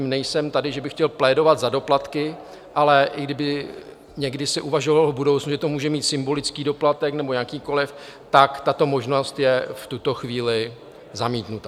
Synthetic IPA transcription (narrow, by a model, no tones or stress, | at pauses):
mnɛjsɛmt̪adɪʒɛbɪxcɛlplɛːdo̞vat̪zado̞plat̪kɪ | ʔalɛʔɪɡdɪbɪ | ɲɛɡdɪsɪʔuvaʒo̞valvbudowt͡snuʒɛt̪o̞muːʒɛmiːt̪sɪmbo̞lɪt͡skiːdo̞plat̪ɛknɛbo̞ɲakiːko̞lɪft̪akt̪at̪o̞mo̞ʒno̞st̪jɛft̪ut̪o̞xviːlɪ | zamiːt̪nut̪a